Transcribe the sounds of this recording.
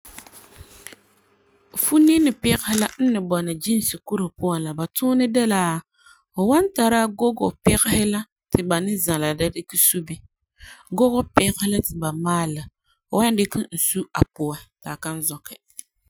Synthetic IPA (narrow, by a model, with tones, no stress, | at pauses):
fu˦ne˦nɪ˨pɪ˦ɣhɪ˦la˦n̩˦nɪ˨bɔ˨nɨ˨d͡ʒi˦n˦sɨ˨ku˦ɾʊ˨pʊ˦a˨la˨ba˨tʊː˦nɪ˦dɛ˦laː˨˦ | o˨wa˦nta˨ɾa˦ɡo˦ɡo˨pɪ˦ɣɪ˦hɪ˦la˦ | tɪ˨ba˨nɪ˦za˨la˨da˦dɪ˦kɪ˦su˦bɪ˦ | ɡo˦ɡɔ˦pɪ˦ɣɪ˦la˦tɪ˨ba˨maː˦la˨ | o˨wa˦n˦dɪ˦kɪ˦n̩˨su˦a̰˨pʊ˨ɛ˨taː˨ka˦n˦zɔ˨kɪ˨